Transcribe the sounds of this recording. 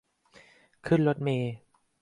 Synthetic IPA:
kʰɯ˥˩nlo˦˥t̪̚miː˧

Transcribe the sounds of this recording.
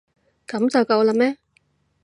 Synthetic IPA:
kɐ˨˥mt͡sɐ˨wkɐ˧wlɐ˧mɛː˥

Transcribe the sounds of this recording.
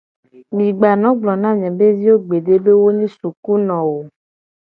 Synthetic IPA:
mĩ˨ɡ͡ba˨nɔ̃˦ɡ͡blɔ˨nã˦ɲɛ̃˨be˦vi˦wo˦ɡ͡be˨ɖe˦be˦wo˦ɲĩ˦su˨ku˦nɔ̃˨wo˨

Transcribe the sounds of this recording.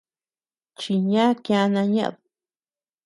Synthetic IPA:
t͡ʃi˧ɲã˦kjã˧˦nã˧ɲã̰˦ʔðu˨

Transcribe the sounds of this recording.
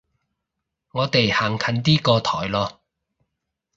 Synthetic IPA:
ŋɔː˨˧t̪e˨jhaː˨˩ŋkʰɐ˨˥nt̪iː˥kɔː˧t̪ʰɔ̰ː˨˩jlɔː˧

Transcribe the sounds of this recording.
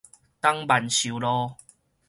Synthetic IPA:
t̪a˦ŋba˨˩nɕu˨lɔ˧˦

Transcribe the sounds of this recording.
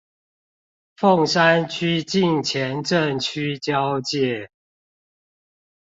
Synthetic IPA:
fo˥˨ŋʂa˦nt͡ɕʰy˦t͡ɕi˥˨ŋt͡ɕʰjɛ˨˦nʈ͡ʂə˥˨nt͡ɕʰy˦t͡ɕjɑ˦ʊt͡ɕjɛ˥˨

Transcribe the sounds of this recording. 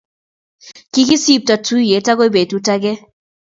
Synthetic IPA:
ki˦ki˦si˦˨p̚ta˨tu˦je˨˦ta˦ko˦jbe˨tu˦ta˦ɡɛ˦

